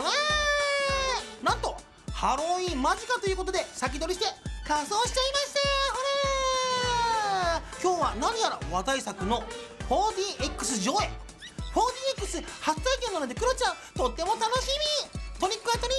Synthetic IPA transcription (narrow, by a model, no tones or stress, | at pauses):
βa | nãnt̪o̞ | haɾo̞imaʑikat̪o̞jiɯːko̞t̪̬o̞d̪e̞sak̬ʲid̪o̞ɾʲiɕi̥t̪ekasoːɕi̥t͡ɕaimaɕi̥t̪ahoɾa | kʲo̞ːβanaɲ̟ijaɾaoβat̪aisakɯ̟no̞ | ho̞ːd̪ʲiːekːɯ̟sɨʑo̞ːe | ho̞ːd̪ʲiːekːɯ̟sɨhat͡sɨ̥t̪aike̞nːomed̪e̞kɯ̟ɾot͡ɕã | t̪o̞t̪ːe̞mo̞t̪ano̞ɕimʲit̪o̞ɲʲikːɯ̟at̪oɲʲi